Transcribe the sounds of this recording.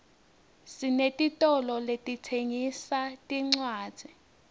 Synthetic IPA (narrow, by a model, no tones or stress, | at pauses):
sinetʼitʼɔlɔletʼitʰeŋisatʼiŋ͡ǀwaːd̥z̥ʱi